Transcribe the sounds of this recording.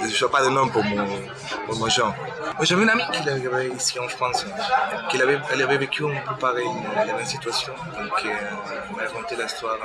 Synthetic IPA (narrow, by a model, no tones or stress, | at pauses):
ʒswapad̪ənɔ̃mpuʁmɔ̃ | puʁmɔ̃ʒɑ̃ | maʒavɛnamikilavavɛisiɑ̃fχɑ̃skɛlavɛɛlavɛvekʰyɛ̃mpøpaʁɛjilavɛsit̪ɥasjɔ̃d̪ɔ̃ŋkʰe | ilmaʁakɔ̃nt̪elaist̪waʁ